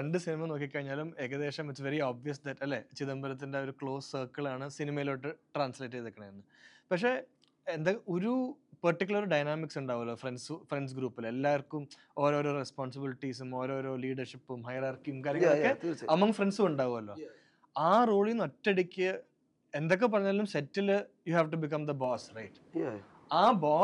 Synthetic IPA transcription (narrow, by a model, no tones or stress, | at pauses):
eɳɖɨsinimɐno̞ːkːikʲːɐɣiɲːaːlumeɣɐðe̞ːʂɐmbɐt͡ɕːɨʋeɾioːbʋijɐs̬d̪ɐtːɐlːet͡ɕiðɐmbɐɾɐt̪̬ːinde̞o̞ɾukɭo̞ːssɐːkːɐɭaːɳɨsinimɐjiloːʈːɨʈraːnsleːtːɐðekːɐɳɐmenːɨ | pɐkʂe̞ː | end̪ɐoɾupɐrʈːik̬ʲːulɐɾɨɖɐjnaːmiksuɳɖaːɣumɐlːoːfrensufreɳɖs̬ɡɾuːpːile̞lːaːʋɐrkːum | o̞ːɾo̞ːɾo̞ːrespoːnsɐbiliʈːis̬umo̞ːɾo̞ːɾo̞ːliːɖɐrʂipːumhɐjɐɾaːrkijumkaːɾjɐŋɐkːeɐmɐŋfrenɖsumuɳɖaːɣumɐlːo̞ː | aːroːɭinotːeɽikʲːɨ | e̞nd̪o̞k̬ːe̞p̬ːɐrɐɲːaːlːumsetːiljuhaːʋʈubikɐmd̪ɐboːsrɐjʈ | aːboː